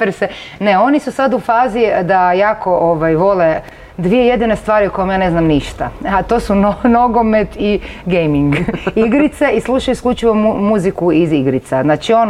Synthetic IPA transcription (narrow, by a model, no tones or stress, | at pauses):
pɾse | ne̞o̞nisusad̪ufaːzid̪ajaːko̞ʔoʋajʋo̞le | d̪ʋie̞je̞d̪inest̪ʋaːɾioko̞jomjaːne̞znamniʃt̪aat̪oːsunono̞ɡo̞met̪ʰiɡejmiŋɡiɡɾit̪seislˠuʃajuisklʲut͡ʃiʋomumuzikuiziɡɾit̪saznat͡ʃio̞n